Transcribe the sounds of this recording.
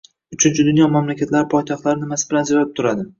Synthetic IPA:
ʊt͡ʃʰɪnt͡ʃʰɪd̪ʊnjɒmamlakʲʰat̪laɾɪpʰɒjt̪ʰɒχt̪laɾɪnɪmasɪbɪlanzeɾalɪp̚t̪ʰʊɾad̪ɪ

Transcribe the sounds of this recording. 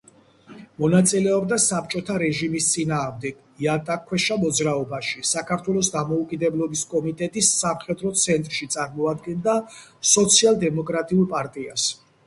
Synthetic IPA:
mɔnat̪sʼilɛɔbd̪asap̚ʰt͡ʃʼɔt̪ʰaɾɛʒimist̪sʼinaːʁmd̪ɛɡ̥ | iat̪ʼakʰwɛʃamɔd̪zɾaɔbaʃisakʰaɾt̪ʰwɛlˠɔsd̪amɔukʼid̪ɛblˠɔbiskʼɔmit̪ʼɛt̪ʼisːamχɛd̪ɾɔt̪sʰɛnt̪ʼɾʃit̪sʼaɾmɔad̪ɡɛnd̪asɔt̪sʰialˠd̪ɛmɔkʼɾat̪ʼiulˠpʼaɾt̪ʼias

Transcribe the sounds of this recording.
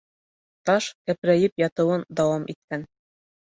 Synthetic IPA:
t̪ɑʃkæpɾæjɘpjɑt̪ɤ̆wɤnd̪ɑwɑmʔit̪̚kæn

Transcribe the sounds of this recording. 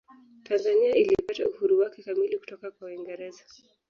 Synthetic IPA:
tanzaniailipatauhuɾuwakɛkamiliku̥tɔkakwawiŋɡɛɾɛza

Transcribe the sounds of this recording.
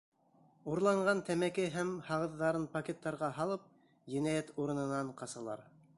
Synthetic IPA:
uɾlˠɑɴɢɑnt̪æmækɘɦæmhɑʁɤ̆ðːɑɾɤnpokʲet̪ːɑɾʁɑɦɑlˠɤp̚ | jɘ̆næjæt̪uɾɤ̆nɤ̆nɑɴqɑsɑlˠɑ̰ɾ

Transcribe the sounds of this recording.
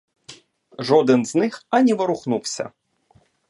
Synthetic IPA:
ʐɔd̪ɨnznɪxanʲiʋɐɾʊxnuwsʲɐ̰

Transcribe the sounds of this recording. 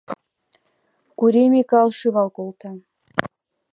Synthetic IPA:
kuɾemʲikɑlˠʃɯβɑlkolˠt̪ɑ

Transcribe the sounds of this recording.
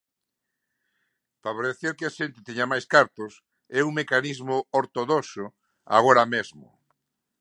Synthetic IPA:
faβoɾeθeɾkɪaʃent̪ɪt̪eɲamajskaɾt̪ʊs | ɛuŋmekanizmʊoɾt̪oðosʊ | a̰ɣoɾamezmʊ̰

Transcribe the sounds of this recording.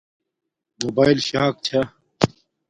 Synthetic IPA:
moːbaːilɕaːk̚t͡ɕʰa

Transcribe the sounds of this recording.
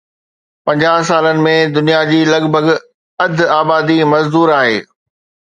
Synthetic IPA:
pɐ̃ɲd͡ʑaːɦsaːlənɪ̆mẽd̪ʊnijad͡ʑiːlɐɡbʱəɡ | ɐd̪ʱaːbaːd̪imɐzd̪uːɾaːɦḛː

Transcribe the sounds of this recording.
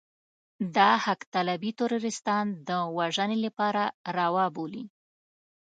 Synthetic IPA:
d̪ɑhakt̪alabit̪ʊɾuɾɪst̪ɑnd̪əwaʒənelapɑɾaɾɑwɑboli

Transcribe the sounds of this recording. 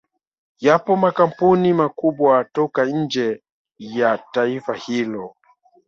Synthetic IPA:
japɔmakam̩punimakuɓwatɔkaɲ̩d͡ʒɛ | jataifahilɔ

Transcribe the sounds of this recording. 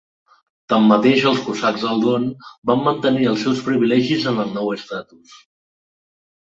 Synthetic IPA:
t̪amːət̪eʃəlˠskusaɡzðəlˠd̪onbamːənt̪əniəlˠsɛwspɾiβilɛʒizənəlnɔwəst̪at̪us

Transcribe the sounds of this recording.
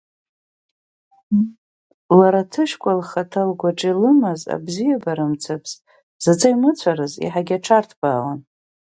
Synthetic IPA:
laɾatʰɨʃkʷʼalχatʰalɡʷaʈ͡ʂʼilɨmɨza̰bzijabaɾɨmt͡sʰapʰs | z̥at͡sʼaimɨt͡sʷʰaɾɨzḭħaɡʲaʈ͡ʂʰartʰb̥aːla̰n

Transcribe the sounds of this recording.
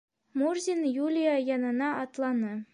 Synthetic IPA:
murzʲinjulʲijajɒnɤ̆nɑːt̪lˠɑnɤ

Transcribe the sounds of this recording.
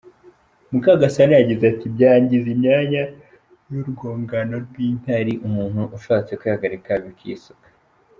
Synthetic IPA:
mukaɡasanajaɟizeatibjaːɲɟizimɲaːɲa | juɾɡo̞ːŋɡano̞ɾɡwiːn̥aɾiʔumuːn̥huʔuʃaːt͡sekwihaɡaɾikaβikʰḭːsukḁ

